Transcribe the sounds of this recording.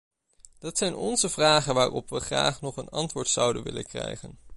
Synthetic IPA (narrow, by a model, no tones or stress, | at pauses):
d̥ɑtsɛjnɔnzəvraːχənʋaːrɔpʋəχra̰ːχnɔχənɑntʋʊːɹtsɑwdənʋɪ̰lə̰nkrɛ̰jχən